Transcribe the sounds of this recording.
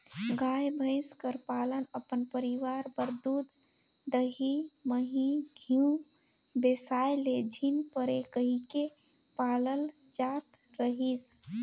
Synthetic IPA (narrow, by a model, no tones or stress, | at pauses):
ɡajbʱə̃ɪskəɾpalənəpənpəɾiʋaɾbəɾd̪ud̪ | d̪əɦiməɦiɡʱiũ | besajled͡ʒʱinpəɾekəɦike | paləl | d͡ʒat̪ | ɾəɦis